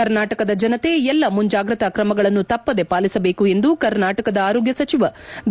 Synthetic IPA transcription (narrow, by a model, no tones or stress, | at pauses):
ɐɾnaːʈɐkɐd̪ɐd͡ʒɐnɐt̪e̞ɛlːɐmuɲd͡ʒaːɡɾɐt̪ɐkɾɐmɐɡɐɭɐnːut̪ɐpːɐd̪e̞paːlisɐbe̞ːkue̞nd̪ukɐɾnaːʈɐkɐd̪ɐaːɾoːɡjɐsɐt͡ʃiʋɐ